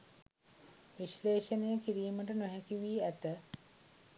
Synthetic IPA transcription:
ʋiʃleːʃənəjəkiɾiːməʈənoɦækiʋiːæt̪ə

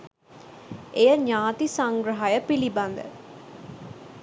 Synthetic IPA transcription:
ʔejəɲaːt̪isaŋɡɾəɦajəpiliband̪ə̰

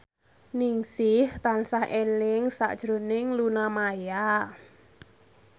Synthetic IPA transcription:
nɪŋsɪht̪ansahʔelɪŋsa̰ʔd̥ʒ̥ɾo̤nɪŋlunamaja

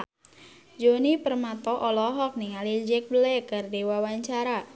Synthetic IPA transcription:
d͡ʒonipərmat̪ɔʔɔlɔɦɔk̚nɪŋalid͡ʒɛk̚bəlɛkardewawaɲt͡ʃaɾa

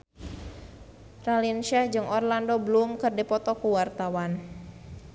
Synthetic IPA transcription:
ralinʃɛhd͡ʒɨŋɔrlandobəlumkɨrdɛpɔt̪ɔkuwart̪awan

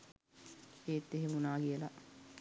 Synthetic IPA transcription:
eːt̪ːeɦemunaːɡiəla̰

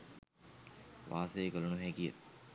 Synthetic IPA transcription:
ʋʔa̰ːsəekəlunuɦɛkijə̰

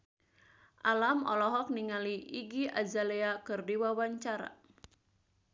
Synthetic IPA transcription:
ʔalamɔ̰lɔɦɔk̚niŋaliʔiɡiʔa̰d͡ʒaleakɨrdiwawaɲt͡ʃaɾa̰

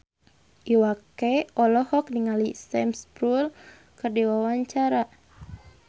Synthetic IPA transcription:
ʔiwakɛɔlɔhɔk̚niŋalisɛmspɾul | kɨrdiwawaɲt͡ʃaɾa

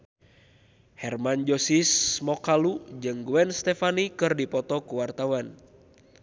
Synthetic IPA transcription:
hɛrmand͡ʒɔsismɔkalud͡ʒɨŋɡuɛnst̪ɛfanikɨrdipɔt̪ɔkuwart̪awan

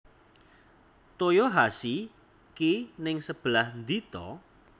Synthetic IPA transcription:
t̪ojoɦasi | kinɪŋsəb̥lahnd̪it̪ɔ

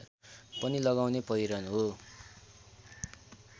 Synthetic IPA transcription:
pʌnilʌɡawnepʌjɾʌnɦo

